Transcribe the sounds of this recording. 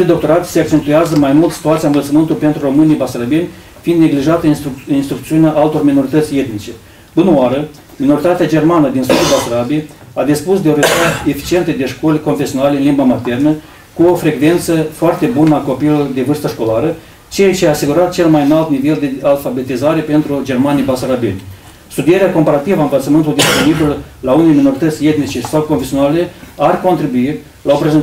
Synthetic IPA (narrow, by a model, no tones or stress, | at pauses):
ijd̪o̞k̚t̪o̞ɾat̪se̞ak̚t͡ʃe̞nt̪ujazəmajmult̪si̥t̪uat̪siaɨnvəlt̪səmɨnt̪ulʲpent̪ɾuro̞mɨnijbasɾabienʲ | fiind̪ne̞ɡliʒat̪əinst̪ɾuk̚t̪siuneaʔalt̪o̞rmino̞ɾit̪ət̪sʲje̞t̪nit͡ʃe̞ | ɨnoaɾə | mino̞ɾit̪at̪ead͡ʒe̞rmanəd̪insud̪ulbasɾabie | ad̪ispusd̪eoɾet̪at̪e̞fi̥t͡ʃie̞nt̪əd̪e̞ʃko̞lʲko̞nfesio̞nalʲeɨnlimbamat̪e̞rnə | kuo̞fɾe̞ɡve̞nt̪səfoart̪e̞bunəako̞pijlurd̪e̞vɨrst̪əʃko̞laɾə | t͡ʃet͡ʃeaːsiɡuɾat̪̚t͡ʃe̞lmajnalt̪nive̞ld̪e̞alfabe̞t̪izaɾe̞pe̞nt̪ɾud͡ʒe̞rmanijbasaɾabḛnʲ | st̪ud̪ijeɾeako̞mpaɾat̪ivəaɨnlət̪səmɨnt̪uld̪ispo̞nibillaunelemino̞ɾit̪ət̪sʲe̞t̪nit͡ʃe̞sawkonfesijo̞nale̞arko̞nt̪ɾibui | laopɾeze